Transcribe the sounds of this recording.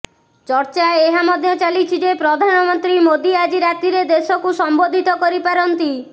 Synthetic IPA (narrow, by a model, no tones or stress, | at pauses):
t͡ʃɔɾt͡ʃaeeɦamɔd̪ʱjɔt͡ʃalit͡ʃʰid͡ʒepɾɔd̪ʱanɔmɔnt̪ɾimod̪iad͡ʒiɾat̪iɾed̪esɔkusɔmbod̪ʱit̪ɔkɔɾipaɾɔnt̪i